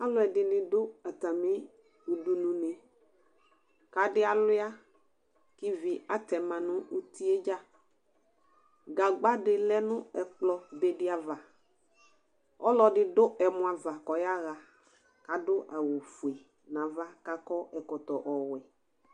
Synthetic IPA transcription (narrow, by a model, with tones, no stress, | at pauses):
a˦lʊ˦ɛ˨dɪ˨nɪ̃˨dʊ˦a˨t̪a˨me˦ | u˨du˨nũ˨nɪ˨ | ka˨dɪ˦a˨lʊ˦a˦ | kɪ˦vɪ˨a˨˦t̪ɛ˨mã˨nʊ̃˦u˦t̪i˦e˦d͡ʒa˦ | ɡa˨ɡ͡ba˦dɪ˨lɛ˦nʊ̃˦ɛ˨k͡plɔ˨be˨dɪ˦a˨va˨ | ɔ˦lɔ˨dɪ˦dʊ˦ʔɛ˨mʊ̃˨a˨va˨kɔ˨ja˦ɣa˨ | ka˨dʊ˦ʔa˨wo˨fu˨e˨ | nã˨va˦ka˨kɔ˦ɛ˨kɔ˨t̪ɔ˨ʔɔ˨wɛ˨